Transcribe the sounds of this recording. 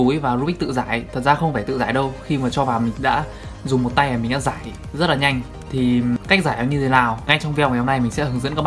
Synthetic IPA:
u˨˦jvaː˨˩zu˧ɓi̟˦˥t̪ɨ̰˧˨zaː˧˩jt̪ʰə˨˩t̚zaː˧xə˧wŋ͡mfaː˧˩t̪ɨ̰˧˨zaː˧˩jɗə˧wxi˧maː˨˩t͡ɕɔ˧vaː˨˩wmï˨˩ŋ̟ɗa̰ː˧˥ | zʊ˨˩ŋ͡mmo˨˩t̚t̪a˧jʔaː˨˩mi˨˩ŋ̟ɗa̰ː˧˥zaː˧˩j | zə˦˥t̚laː˨˩ɲa˧jŋ̟ | t̪ʰi˨˩ka˦˥k̚zaː˧˩jɗaː˧˩ɲɨ˧t̪ʰe˨˦naː˨˩wŋa˧jt͡ɕɔ˧ŋ͡mvhwho˧mna˧jmi˨˩ŋ̟sɛ̰˧˥hɨ˨˦ŋzɨ̰˧˥nkːɓ

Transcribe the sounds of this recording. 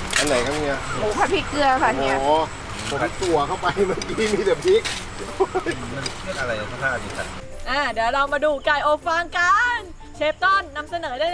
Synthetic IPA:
ʔa˧nːa˨˦jka˧˥˩ni˧˦˥ɐ˧˩huː˨˩˦kʰa˧˩pʰiː˧˩kɯ˧ɐa˧kʰa˧ʔni˦˥˨ | pʰo˨˦t̪u˨˩ɐkʰa˥˩wpa˧jmaː˦˥˩kiː˧˥˩miː˧˥˩t̪ɛ˨˩pʰi˦˥k̚ | ma˧n˧pʰɯ˥˩ən̚ʔa˧ɾa˧jka˨˩t̪ʰa˥˩hʰaː˥˩diː˧˩kʰa˦˥t̚ | ʔaː˧˩nɛː˩˦wɾa˧wmaː˧duː˧˩kaː˧˩jʔoː˨˧˩k̚fa˧ŋka˧n | t͡ɕʰeː˦˥p̚t̪ɔ˥˩nːa˧msa˧nɤː˩˦daː˥˩j

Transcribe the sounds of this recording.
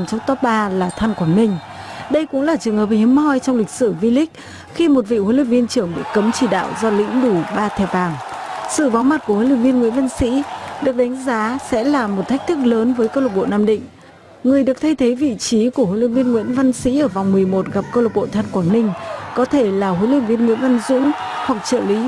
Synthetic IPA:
t͡ɕɔ˧ŋ͡mt̪ɔ˦˥p̚ɓaː˧laː˨˩t̪ʰa˧nkwaː˧˩nmï˧ŋ̟ | ɗə˧jkʊ̰˧˥ŋ͡mlaː˨˩t͡ɕɨ˨˩əŋhəː˨˩p̚hi˨˦əmhɔ˧jt͡ɕɔ˧wŋ͡mlï˨˩k̟̚sɨ˧˩vi˧lï˦˥k̟̚ | xi˧mo˨˩t̚vḭ˧˨ho˧˦lwï˧˩k̚vi˧ənt͡ɕɨ˧˩əŋɓḭ˧˨kə˨˦mt͡ɕi˧˩ɗa̰ː˧˨wzɔ˧lḭ˧˥ŋ̟ɗu˧˩ɓaː˧t̪ʰɛ˨˩vaː˨˩ŋsɨ̰˧˨vaː˨˦wŋ͡mma˨˩t̚ku˧˩əho˧˦jlwi˧˩vi˧ənŋwḭ˧˥ənva˧nsḭ˧˥ɗɨ˨˩ək̚ɗa˨˦jŋ̟zaː˨˦sɛ̰˧˥laː˨˩mo˨˩t̚t̪ʰa˦˥k̚t̪ʰɨ˦˥k̚ləː˨˦nvəː˨˦jkə˧wlə˨˩ɓo̰˧˨naː˧mɗḭ̈˧˨ŋ̟ | ŋɨ˨˩əjɗɨ˨˩ək̚t̪ʰə˧jt̪ʰe˨˦jvḭ˧˨t͡ɕi˨˦ku˧˩əho˨˧˨jl̰n̚vi˧ənŋwḭ˧˥nva˧nsḭ˧˥ʔəː˧˩va˨˩wŋ͡mmɨ˨˩əjmo˨˩t̚ɣa˨˩p̚kə˧wlə˨˩ɓo̰˧˨t̪ʰaː˧nkwaː˧˩nnï˧ŋ̟kɔ˨˦t̪ʰe˧˩laː˨˩ho˨˦jlwï˧˩k̚vi˧ənŋwḭ˧˥ənva˧nzʊ̰˧˥ŋ͡mhwa˨˩k̚t͡ɕə̰ː˧˨lḭ˧˥

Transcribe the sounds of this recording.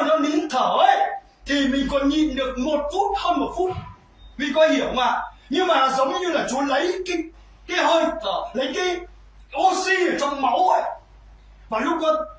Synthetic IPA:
nɔ˨˦ni˨˦ənt̪ʰəː˧˩ʔə˨˦j | t̪ʰi˨˩mï˨˩ŋ̟kɔ˨˦nɲḭ˧˨nɗɨ˨˩ək̚mo˨˩t̚fu˦˥t̚həː˧nmo˨˩t̚fu˦˥t̚ | mï˨˩ŋ̟kɔ˨˦hi˧˩əwmaː˨˩ɲɨ˧ŋmaː˨˩zə˨˦wŋ͡mɲɨ˧laː˨˩t͡ɕu˨˦lə˨˦jki˧˦ | ka˨˦həː˧jt̪ʰəː˧˩lə˨˦jka˨˦j | ʔo˧si˧əː˧˩t͡ɕɔ˧wŋ͡mma˨˦wʔə˨˦j | vaː˨˩lʊ˦˥k͡p̚kə˧˦

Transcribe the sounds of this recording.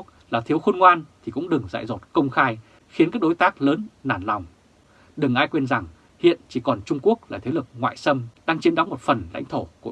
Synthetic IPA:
laː˨˩t̪ʰi˨˦əwxu˧nŋwaː˧nt̪ʰi˨˩kʊ̰˧˥ŋ͡mɗɨ˨˩ŋza̰ː˧˨jzɔ˨˩t̚kə˧wŋ͡mxaː˧j | xi˨˦nkaː˦˥k̚ɗo˨˦jt̪aː˦˥k̚ləː˨˦nːaː˧˩nla˨˩wŋ͡m | ɗɨ˨˩ŋʔaː˧jkwe˧nza˨˩ŋ | hḭ˧˨ənt͡ɕi˧˩kɔ˨˩nt͡ɕʊ˧ŋ͡mku˦˥ək̚laː˨˩t̪ʰe˨˦lɨ˨˩k̚ŋwa̰ː˧˨jsə˧mɗaː˧ŋt͡ɕi˨˦nɗa˨˦wŋ͡mmo˨˩t̚fə˨˩nla̰˧˥jŋt̪ʰo˧˩ku˧˩

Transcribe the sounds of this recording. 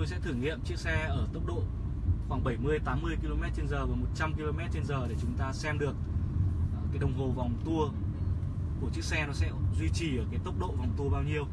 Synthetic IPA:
t̪o˧jsɛ̰˧˥t̪ʰɨ˧˩ŋḭ˧˨əmt͡ɕɨ˦˥ək̚sɛ˧ʔəː˧˩t̪ə˦˥wk͡p̚ɗo̰˧˨ | xwaː˧˩ŋɓə˧˩jmɨ˧əjt̪aː˨˦mːɨ˧əjki˧lo˧mɛ˦˥t̚t͡ɕe˧nzəː˨˩vaː˨˦mo˨˩t̚t͡ɕa˧mki˧lo˧mɛ˦˥t̚t͡ɕe˧nzəː˨˩ɗe˧˩t͡ɕʊ˨˦ŋ͡mt̪aː˧sɛ˧mɗɨ˨˩ək̚ | kaː˨˦jɗə˨˩wŋ͡mɦo˨˩va˨˩wŋ͡mt̪u˧ə | ku˧˩ət͡ɕɨ˦˥ək̚sɛ˧nɔ˨˦sɛ̰˧˥zwi˧t͡ɕi˨˩ʔəː˧˩kaː˨˦jt̪ə˦˥wk͡p̚ɗo̰˧˨va˨˩wŋ͡mt̪u˧ə˧ɓaː˧wɲi˧əw

